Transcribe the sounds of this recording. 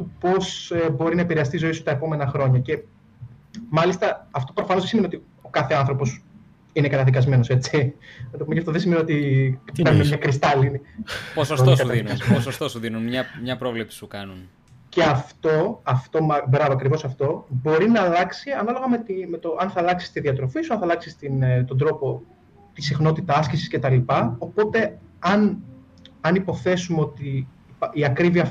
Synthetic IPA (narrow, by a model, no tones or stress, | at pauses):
upo̞sebo̞ɾinɐepiɾeɐst̪izo̞isu̥t̪ɐe̞po̞me̞nɐxɾo̞ɲɐce̞ | mɐlist̪ɐɐft̪o̞pɾo̞fɐno̞zðesimeniot̪i | okɐθe̞ɐnθɾo̞po̞s | inekɐt̪ɐðikɐzme̞noset͡simet̪ɐpomeʝɐft̪oðesimenio̞t̪ieɾvunemɲɐkɾist̪ɐlinipososot̪osɐðinuposost̪osuðinunmɲɐmɲɐpɾo̞vlepsi̥sukɐnun | ce̞ɐft̪o̞ɐft̪o̞mɐbɾɐvoɐkɾivo̞sɐft̪o̞bo̞ɾinɐːlɐksiɐnɐlo̞ɣɐme̞t̪imet̪oʔɐnθɐlɐksi̥st̪iðiɐt̪ɾo̞fisuɐnθɐlɐksist̪int̪o̞nd̪ɾo̞po̞ | t̪isixno̞t̪it̪ɐɐscisi̥sce̞t̪ɐlipɐo̞po̞t̪e̞ɐn | ɐnipo̞θe̞sumeo̞t̪i | piɐkɾiviɐ